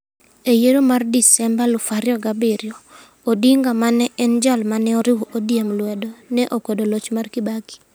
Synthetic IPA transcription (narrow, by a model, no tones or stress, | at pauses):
ejeɾomardisɛmbalʊfaɾjɔɡabɪɾjɔ | odiŋɡamanɛʔɛnd͡ʒalmanɛɔɾɪwuʔodijemlwɛdonɛʔokwedolot͡ʃmarkibaɡi̥